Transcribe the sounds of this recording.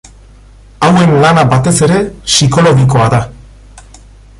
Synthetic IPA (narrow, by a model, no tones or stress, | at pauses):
awe̞nlanabat̪e̞se̞ɾe̞siko̞lo̞ɣiko̞aða